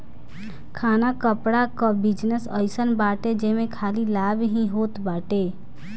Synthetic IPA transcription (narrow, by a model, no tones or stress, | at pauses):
kʰanakəpɽakɔbid͡ʒnəsəɪsənbaːʈed͡ʒemekʰalilabɦĩɦot̪baːʈe